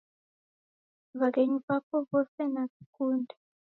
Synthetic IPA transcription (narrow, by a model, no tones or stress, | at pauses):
βak̬eɲuβapʰɔβɔsɛnasi̥kʰʼuːndʱḁ